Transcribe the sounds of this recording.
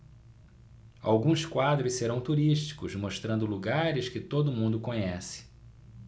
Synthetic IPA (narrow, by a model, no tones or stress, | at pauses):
a̰wɡũskwad̪ɾʊsseɾɐ̃w̃t̪uɾiʃt͡ʃi̥kʊzmoʃt̪ɾɐ̃nd̪ʊluɡaɾɪskɪt̪od̪ʊmũnd̪ʊkõɲɛsɪ̥